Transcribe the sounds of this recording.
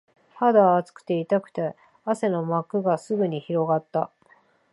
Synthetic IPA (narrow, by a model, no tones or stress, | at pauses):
had̪aːt͡sɨ̥kɯ̟̥t̪e̞it̪akɯ̟̥t̪e̞ | ase̞no̞makɯ̟ɡasɨɡɯ̟ɲ̟içiɾo̞ɡat̪ːa